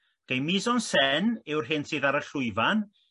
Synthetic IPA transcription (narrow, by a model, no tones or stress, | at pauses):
d̥ejmɪzɔnsɛnɪwrɦɪnsɨːðaɾəɬʊɨvan